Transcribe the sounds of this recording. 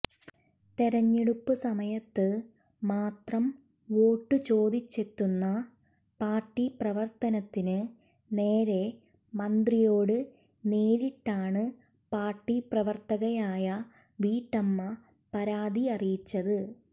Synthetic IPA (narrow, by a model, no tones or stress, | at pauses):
t̪eɾɐɲːeɽupːɨsɐmɐjɐt̪ːɨ | maːt̪rɐm | ʋo̞ːʈːɨt͡ɕo̞ːd̪it͡ɕːe̞t̪ːunːɐ | paːrʈːiprɐʋɐrt̪ɐnɐt̪ːinɨ | ne̞ːɾe̞ | mɐnd̪rijo̞ːɽɨ | neːɾiʈːaːɳɨ | paːrʈːiprɐʋɐrt̪ɐɣɐjaːjɐ | ʋiːʈːɐmːɐ | pɐɾaːd̪iɐrijit͡ɕːɐðɨ